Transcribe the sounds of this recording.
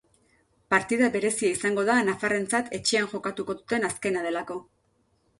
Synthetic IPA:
paɾt̪iðaβe̞ɾe̞siaisaŋɡo̞ðanafare̞nt͡sat̪ʰe̞t͡ʃe̞anʝo̞kat̪uko̞ðut̪e̞naske̞nað̞e̞lako̞

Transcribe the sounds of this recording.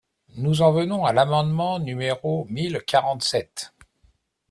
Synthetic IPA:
nuzɑ̃vənɔ̃alamɑ̃d̪mɑ̃nymeʁomilkʲʰaʁɑ̃t̪sɛt̪

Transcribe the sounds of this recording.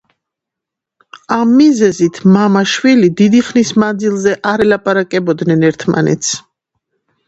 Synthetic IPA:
amːizɛzit̪ʰmamaʃwilid̪id̪iχnismand̪zilˠzɛʔaɾɛlapʼaɾakʼɛbɔd̪nɛnɛɾt̪ʰma̰nɛ̰t̪sʰ

